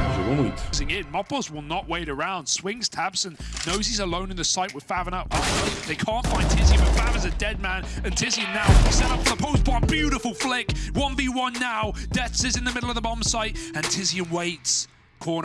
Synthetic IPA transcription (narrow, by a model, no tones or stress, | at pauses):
zəɔnidzɪ̃ŋɪt̚mʌpəzwɪlˠnəʔ̚weɪɾə˞ãʊ̃nd̥swɪ̃ŋz̥tʰæb̥sɨ̃nːoʊzizəlõʊ̃nɨ̃nðɨsaɪʔ̚wɨð̥fævə̃naʊt̚ɑðeɪkʰɑ̃ˑntfãɪ̃ntʰɪziɨ̃bʌtfævə̃zɨdɛd̚mæ̃nɨ̃ntʰɪziɨ̃nnːaʊsɛɾʌpfəðəpʰoʊsb̥ɔəbjʉɾɨfəl̩ˠflɪkwʌ̃nbiwʌ̃nːaʊd̥ɛθsɨzɨ̃nðɨmɪɾl̩ˠʌvðəbɑ̃m̥saɪt̚ɨ̃ntʰɪziɨ̃nweɪts | kʰɔɹn